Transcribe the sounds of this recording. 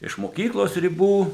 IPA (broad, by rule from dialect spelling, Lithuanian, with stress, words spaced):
ɪʃ moːˈkʲiːklˠoːs rʲɪˈbuː